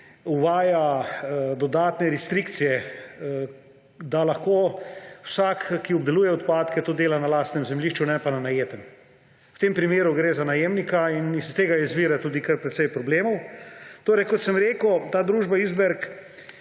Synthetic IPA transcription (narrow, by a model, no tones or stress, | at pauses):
uʋaːja | d̪ɔd̪aːt̪nɛɾɛst̪ɾikt̪sijɛ | d̪alaxkoːwsakːiɔb̚d̪ɛluːjɛɔt̪paːt̪kɛt̪oːd̪eːlanalaːst̪nɛmzɛmliːʃt͡ʃunɛpananajeːt̪ɛm | wt̪eːmpɾimeːɾuɡɾeːzanajeːmnikainist̪eːɡajɛzʋiːɾɛt̪uːd̪ikəɾpɾɛt̪sɛjpɾɔbleːmɔwt̪oːɾɛjkɔt̪sɛmɾeːkʊt̪aːd̪ɾuːʒbaizbɛɾk